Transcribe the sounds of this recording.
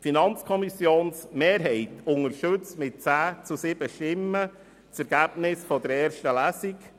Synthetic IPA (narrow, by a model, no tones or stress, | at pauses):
finɑnt͡skʰɔmisjoːnsmeːɾɦɛɪtʊŋəɾʃɵt͡smɪt̚t͡sæːt͡susɪb̥əʃtɪmːə | t͡sɛɾɡ̥æb̥nɪsfɔd̪əɾɛːɾʃtəlæːsik